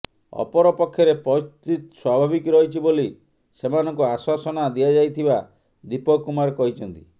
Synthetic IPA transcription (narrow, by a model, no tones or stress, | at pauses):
ɔ̰pɔɾɔpɔkʰːjɔɾepɔst̪it̪swabʱabikɾɔɦjt͡ʃʰiboli | semanɔŋkuaswasɔnad̪iad͡ʒajt̪ʰiba | d̪ipɔkumaɾkɔɦit͡ʃʰɔnt̪i̥